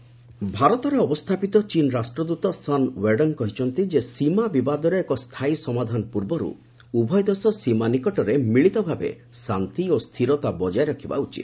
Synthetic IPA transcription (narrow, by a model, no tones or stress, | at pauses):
bʱaɾɔt̪ɔɾeɔbɔst̪ʰapit̪ɔt͡ʃinɔɾasʈɾɔd̪ut̪ɔsanweɖɔnkɔɦit͡ʃʰɔnt̪id͡ʒesimabibad̪ɔɾeːkɔst̪ʰaisɔmad̪ʱanɔpuɾbɔɾṵ | ubʱɔjd̪ɔsɔsimanikɔʈɔɾemiɭit̪ɔbʱabḛ | sant̪iost̪ʰiɾɔt̪abɔd͡ʒajɾɔkʰiba̰ut͡ʃḭt̪